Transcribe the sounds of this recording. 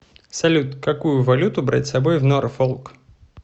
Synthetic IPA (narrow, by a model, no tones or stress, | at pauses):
sɐlʲut̪kɐkujʊvɐlʲut̪ʊbɾa̰tʲsɐbojvnoɾfolˠk